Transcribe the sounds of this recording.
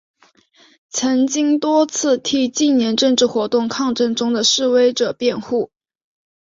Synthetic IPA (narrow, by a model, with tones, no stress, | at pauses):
t͡sʰɤ˧˥ŋt͡ɕi˥ŋt̪wɔ˥t͡sʰɹ̩˥˧t̪ʰi˥˩t͡ɕi˥˩njɛ˧˥nʈ͡ʂə˥˧ŋʈ͡ʂɻ̩˥˩xwɔ˧˥t̪ʊ˥˧ŋkʰɑ˥˧ŋʈ͡ʂɤ˥˩ŋʈ͡ʂʊ˥ŋd̪ə˨ʂɻ̩˥˩we˥ɪʈ͡ʂɤ˨˩pjɛ˥˧nxu˥˩